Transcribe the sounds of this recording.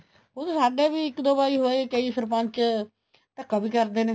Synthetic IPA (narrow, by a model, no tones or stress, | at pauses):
ot̪ːsaːɖeːbiːɪkd̪oːbaːiːɦoːekəiːsəɾpãnt͡ʃ | t̪əkːaːbiːkəɾd̪eːneː